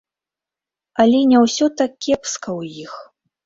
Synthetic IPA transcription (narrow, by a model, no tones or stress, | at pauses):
ɐlʲɛnʲɛwsʲɔt̪akʲɛpskɐwjix